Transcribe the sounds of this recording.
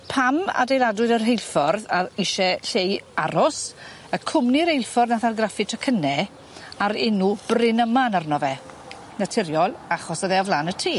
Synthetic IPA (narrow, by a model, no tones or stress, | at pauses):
pʰama̰dejlˠadwɨðərɦejlˠfɔrðaiʃɛɬejaɾɔs | əkʰʊmniɾejlˠfɔrðnaθarɡrafɨtʰəkʰənɛ | aɾɪnub̥rɪnəmanarnɔvɛ | natʰɪɾjɔlˠaχɔsəðɛavlˠaːnətʰiː